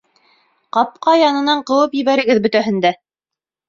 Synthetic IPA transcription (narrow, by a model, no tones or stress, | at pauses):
qɑp̚qɑjɑnɤ̆nɑɴqɤ̆wɤpjɘ̆βæɾɘ̆ɡɘðbɵ̆t̪æɦɘ̆nd̪æ